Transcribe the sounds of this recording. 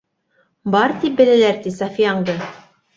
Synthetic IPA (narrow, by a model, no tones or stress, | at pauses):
bɑɾt̪ip̚bɘ̆lælæɾt̪isɑfijɑɴd̪ɤ